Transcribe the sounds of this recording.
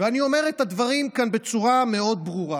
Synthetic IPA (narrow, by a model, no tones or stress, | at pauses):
veanio̞me̞ʁethad̪vaʁimkanbe̞t͡suʁame̞o̞d̪̚bʁuʁa